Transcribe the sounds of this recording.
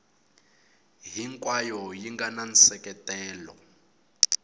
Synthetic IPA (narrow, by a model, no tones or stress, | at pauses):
ɦiŋkʼwajɔjiŋɡanansɛkɛtɛːlɔ̰